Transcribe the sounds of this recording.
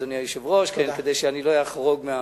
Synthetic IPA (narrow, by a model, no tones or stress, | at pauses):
d̪oniaiʃevʁoʃkenked̪ejʃeaniloajaχʁoɡmea